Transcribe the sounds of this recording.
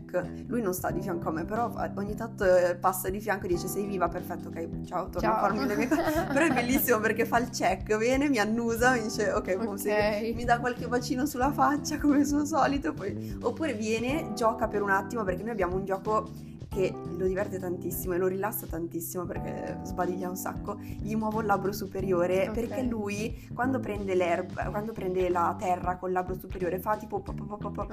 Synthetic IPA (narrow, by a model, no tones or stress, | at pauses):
kː | lujnõnst̪a̰d̪ifjaŋkoamːepːeɾɔfa̰oɲːit̪ant̪opasːad̪ifjaŋkoed̪iːt͡ʃesɛjviːvaperfɛt̪ːokːɛjt͡ʃaot̪ornafarmenemekɔpeɾɔɛbːelːisːimoperkefailt͡ʃɛkːvjɛːnemianːuːzamid̪iːt͡ʃeokːɛjkomsemid̪akːwalkevat͡ʃiːnosulːafat͡ʃːakomes̬uosɔːlit̪opːɔjopːuːɾevjɛːned͡ʒɔːkapeɾunat̪ːimoperk̟enːojabːjaːmound͡ʒɔːko | kelod̪ivɛrt̪et̪ant̪isːimoeloɾilasːat̪ant̪isːimoperk̟ḛzbad̪iʎːaunsa̰kːoijomwɔːvolːabɾosupeɾjoːɾeperkelujkwand̪opɾɛnd̪elɛrb̰kwand̪opɾɛnd̪elat̪ɛrːakolːabɾosupeɾjoːɾefat̪iːpopɔpːɔpːɔpːɔpːɔ